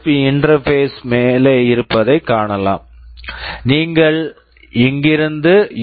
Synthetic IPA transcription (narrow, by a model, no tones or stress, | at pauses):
iɪɳɖrɐɾfeːsmeːleɪɾɯpːɐðɐɪkːaːɳɐlã̰ːm | niːŋɡɐɭ | ɛŋɡɪɾɯnd̪ɯ